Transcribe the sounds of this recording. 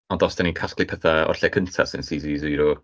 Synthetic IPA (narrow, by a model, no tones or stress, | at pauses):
ɔndɔsd̥anikʰasklˠipʰɛθaɔ̰rɬɛkʰəntʰa̰sɪnsizizujɾɔ